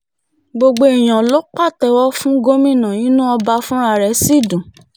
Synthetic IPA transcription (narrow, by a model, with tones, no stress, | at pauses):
ɡ͡bo˧ɡ͡bo˧e˨j̃ã˨lo˦k͡pa˦˨tɛ˧˦wɔ˦fũ˦ɡo˦mĩ˦˨nã˨nĩ˨˦nũ˦ɔ˧ba˧fũ˦ɾa˦˨ɾɛ˨˦si˦˨dũ˨